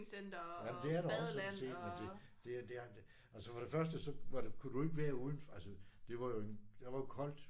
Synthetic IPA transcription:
jæmənd̥e̝æɐɾ̥ɑɒsɒ̥se̝̰̥ːmend̥e̝d̥e̝d̥e̝æ̥ | ælsəfɒ̽ɾ̥e̝fɶɐsd̥əsɒ̽ʋɑ̈d̥kʰud̥ue̝ɡ̥əʋæːɐuð̞ˠn̩fælsəd̥e̝ʋɑ̈jo̝ed̥ɑʋɑ̈jo̝kʰɒ̽l̰d̥

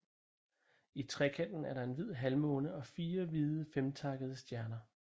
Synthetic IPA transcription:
it͡sʰʁɛkʰendn̩æɐɾɑ̈e̝nʋið̞̰ˠɦælmɔ̽ːnəɒ̽fiːɐʋiðˠəfemt͡sʰɑ̈ɡ̥əð̞ˠəsd̥jæɐnɐ

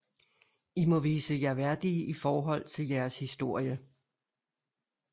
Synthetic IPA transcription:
imɒ̽ʋiːsəjæʋæɐd̥iʔifɒːɦɒ̽l̰t͡sʰe̝ljæɐshisd̥o̝ɐ̰jə

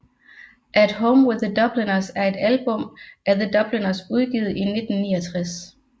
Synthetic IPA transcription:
ʔæd̥ɦoʊmwɪðˠːəd̥ɒ̽b̥linɐsæɐe̝d̥ælb̥ɔ̽mʔæɐðəd̥ɒ̽b̥linɐsuð̞ˠɡ̥iːð̩ˠine̝d̥n̩ːiːɐt͡sʰʁas

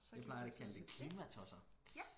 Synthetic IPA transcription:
japʰlɑ̈ɪɐdekʰæld̥ekʰliːmæt͡sʰɒsɐ

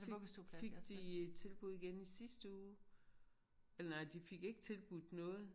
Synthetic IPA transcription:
se̥d̥it͡sʰe̝lb̥uðˠɡ̥enisisd̥əuː | elɐnɑ̈ɪd̥ife̝ɡ̥e̝ɡ̥ət͡sʰe̝lb̥uð̥̰ˠnɔ̽ːð̞̩ˠ

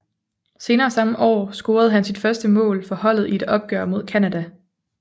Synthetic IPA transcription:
se̝ːnɐːsɑ̈məʔɒ̰ːsɡ̥o̝ːɐð̞̩ˠɦænsid̥fɶɐsd̥əmɔ̰̽ːlfɒ̽hɒ̽l̰ð̩ˠie̝d̥ɒ̽b̥̚ɡ̥œ̰ɐ̰mo̝ðˠkʰænæd̥æ

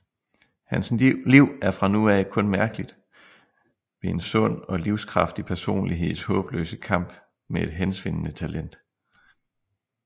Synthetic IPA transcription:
hænsliʊ̰æɐfʁɑ̈nuɛkʰɔ̽nmæɐɡ̥əlid̥ | ʋe̝e̝nsɔ̽n̰ɒ̽liʊskʰʁɑ̈fd̥ipʰæɐso̝̰ːnliɦe̝ð̰ˠshɔ̽ːb̥lø̰ːsəkʰɑ̈m̰b̥ | mee̝d̥ɦensʋe̝n̰ənət͡sʰælʔen̰d̥

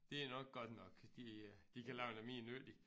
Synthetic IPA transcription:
d̥e̝ænɒ̽ɡ̥̚ɡ̥ɒd̥nɒ̽ɡ̥d̥id̥ikʰælaʊenæmḭːnøːd̥i

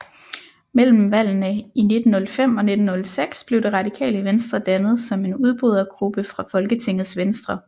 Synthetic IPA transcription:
mel̰m̩ʋæl̰nəine̝d̥n̩ːɔ̽lfem̰ɒ̽ne̝d̥n̩ːɔ̽lseɡ̥sb̥le̝ʊd̥iʁɑ̈d̥ikʰɛ̰ːləʋensd̥ʁɐd̥ænð̞̩ˠsɒ̽me̝nuð̞ˠb̥ʁyð̞̰ˠɐɡ̥ʁub̥əfʁɑ̈fɒ̽lɡ̥ət͡sʰe̝ŋ̰ð̩ˠsʋensd̥ʁɐ

